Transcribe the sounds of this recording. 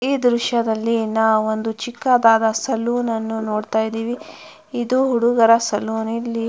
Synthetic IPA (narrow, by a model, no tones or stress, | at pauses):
iːd̪ɾuʃɐd̪ɐlːinaːʋond̪ut͡ʃikːad̪aːd̪ɐsɐluːnɐnːunoːɽt̪aːjid̪iːʋi | id̪uɦuɽuɡɐɾɐsɐluːnilːi